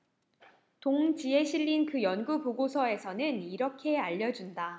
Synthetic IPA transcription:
toŋd͡ʑie̞ɕʰiʎːinkɯjʌnɡupoɡosʰʌe̞sʰʌnɯniɾʌkʰe̞aʎːʌd͡ʑunda

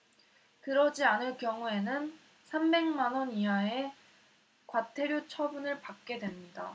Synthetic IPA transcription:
kɯɾʌd͡ʑianɯɭkjʌŋue̞nɯn | sʰambe̞ŋmanʌniɦae̞ | kwatʰe̞ɾjot͡ɕʰʌbunɯɭpak̚k͈e̞dwe̞mɲida

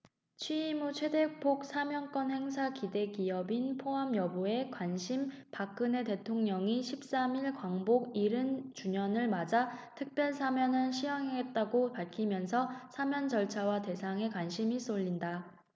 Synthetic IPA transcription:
t͡ɕʰɥiːmut͡ɕʰe̞de̞k̚pʰok̚s͈ʰamjʌnk͈ʌnhe̞ŋs̬ʰakide̞ɡiʌbinpʰoɦamjʌbue̞kwanɕʰim | pak͈ɯne̞te̞tʰoŋɲʌŋiɕʰip̚s͈amiɭkwaŋboɡiɾɯnt͡ɕuɲʌnɯɭmad͡ʑatʰɯk̚p͈jʌɭsʰamjʌnɯnɕʰijaŋɦeɡe̞t̚t͈aɡopaɭkʰimjʌnsʰʌsʰamjʌnd͡ʑʌɭt͡ɕʰawate̞sʰaŋe̞kwanɕʰimis͈oʎːinda

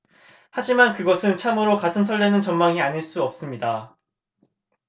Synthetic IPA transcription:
had͡ʑimankɯɡʌsʰɯnt͡ɕʰamɯɾokasʰɯmsʰʌɭdenɯnt͡ɕʌnmaŋiaɲiɭs͈uʌp̚s͈ɯmɲida

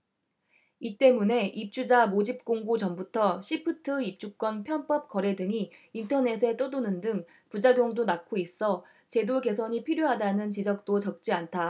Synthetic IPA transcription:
it͈e̞mune̞ʔip̚t͡ɕ͈ud͡ʑamod͡ʑip̚k͈oŋɡut͡ɕʌmbutʰʌɕʰipʰɯtʰɯip̚t͡ɕ͈uk̚k͈wʌnpʰjʌnp͈ʌp̚k͈ʌɾe̞dɯŋiːntʰʌne̞sʰe̞t͈odonɯndɯŋ | pud͡ʑaɡjoŋdonak͈ʰois͈ʌ | t͡ɕe̞doɡe̞sʰʌɲipʰiɾjoɦadanɯnt͡ɕid͡ʑʌk̚t͈ot͡ɕʌk̚t͡ɕ͈iantʰa

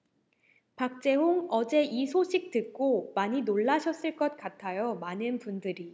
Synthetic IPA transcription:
pak̚t͡ɕ͈e̞ɦoŋʌd͡ʑe̞ʔisʰoɕʰik̚t͈ɯk͈omaɲinoɭːaɕʰʌs͈ɯɭk͈ʌt̚k͈atʰajʌmanɯnpundɯɾi

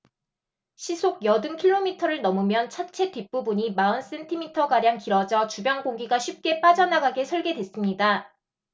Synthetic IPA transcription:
ɕʰisʰoɡ̚jʌdɯŋkʰiɭːomitʰʌɾɯɭnʌmɯmjʌnt͡ɕʰat͡ɕʰe̞tip̚p͈ubuɲimaɯns͈e̞ntʰimitʰʌɡaɾjaŋkiɾʌd͡ʑʌt͡ɕubjʌŋɡoŋɡiɡaɕʰip̚k͈e̞p͈ad͡ʑʌnaɡaɡe̞sʰʌɭɡe̞dwe̞s͈ɯmɲida

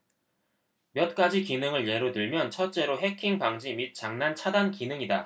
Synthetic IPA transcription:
mjʌt̚k͈ad͡ʑikinɯŋɯɭje̞ɾodɯɭmjʌnt͡ɕʰʌt̚t͡ɕ͈e̞ɾoɦe̞kʰiŋpaŋd͡ʑimit̚t͡ɕ͈aŋnant͡ɕʰadankinɯŋida

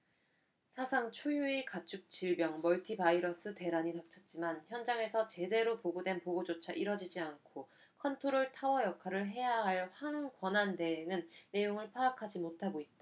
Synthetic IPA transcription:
sʰasʰaŋt͡ɕʰojuekat͡ɕʰuk̚t͡ɕ͈iɭbjʌŋmʌɭtʰibaiɾʌs͈ʰɯte̞ɾaɲitak̚t͡ɕʰʌt̚t͡ɕ͈imançjʌnd͡ʑaŋe̞sʰʌt͡ɕe̞de̞ɾopoɡodwe̞npoɡod͡ʑot͡ɕʰaʔiɾʌd͡ʑid͡ʑiankʰo | kʰʌntʰoɾoɭtʰawʌjʌkʰaɾɯɭɦe̞jaɦaɭɸwaŋɡwʌnante̞eŋɯnːe̞joŋɯɭpʰaːkʰad͡ʑimotʰaɡoit̚t͈a

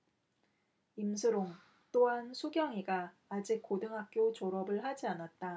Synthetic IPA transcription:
imsʰɯɾoŋ | t͈oɦansʰuɡjʌŋiɡaː | d͡ʑik̚k͈odɯŋɦak̚k͈jot͡ɕoɾʌbɯɭhad͡ʑianat̚t͈a

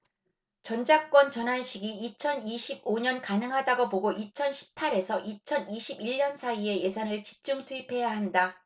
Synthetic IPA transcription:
t͡ɕʌnd͡ʑak͈wʌnt͡ɕʌnɦanɕʰiɡiːt͡ɕʰʌniɕʰib̚oɲʌnkanɯŋɦadaɡoboɡoʔit͡ɕʰʌnɕʰi̥p̚ʰaɾe̞sʰʌʔit͡ɕʰʌniɕʰibiʎːʌnsʰaie̞je̞sʰanɯɭt͡ɕi̥p̚t͡ɕ͈uŋtʰuipʰe̞jaɦanda

